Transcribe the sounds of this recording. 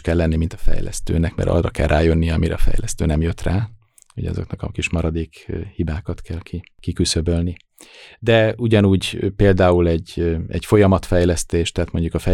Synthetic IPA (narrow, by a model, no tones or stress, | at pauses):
kɛlːɛnːimint̪ɒ̥fɛ̰jlɛ̰st̪ø̰ːnɛkmɛ̰ɾɒ̰rːɒkɛlrʔaːjønːijɛɒmiɾɛ̰ɒfɛ̰jlɛst̪ø̰ːnɛmjø̞t̪raː | oɟɒ̰zo̞̰knɒkɒ̰kiʃmɒɾɒd̪eːkhibaːkɒt̪kʰɛlki | kikysøbølni | d̪ɛuɟɒnuːɟpeːld̪aːulɛɟːɛɟfo̞jɒmɒt̪fɛjlɛst̪eːʃt̪ɛɦaːt̪mo̞ɲɟukɒfɛ